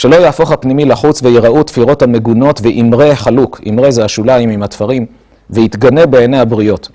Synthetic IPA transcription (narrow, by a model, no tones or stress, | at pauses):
ʃe̞lo̞jaːfo̞χhapnimilaχut͡sveiʁaʔut̪fiʁo̞thame̞ɡuno̞tveʔimʁe̞χalukʰḭmʁe̞zeaʃulaimimhat̪faʁim | vehit̪ɡane̞beːnehabʁio̞t